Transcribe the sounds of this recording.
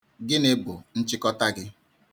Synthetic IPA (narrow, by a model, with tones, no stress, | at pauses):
ɡɪ˦nɪ˦bʊ˨n̩˦t͡ʃɪ˦kɔ˦ta˦ɡɪ˦